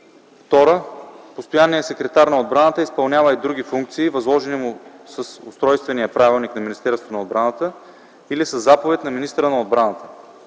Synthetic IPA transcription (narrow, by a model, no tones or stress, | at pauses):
ft̪ɔɾəpost̪ojanːijəsɛkɾɛt̪aɾnɐod̪̚bɾanət̪əispɐlˠnʲavəid̪ɾuɡifuŋk̚t̪siːvɐzlˠɔʒɛnimʊsɐsʊst̪ɾɔjst̪vɛnijəpɾavilˠniknɐminʲist̪ɛɾst̪vonɐod̪̚bɾanət̪ə | ilisɐzːapovɛt̪ʲnɐminist̪əɾənɐod̪̚bɾanət̪ə̥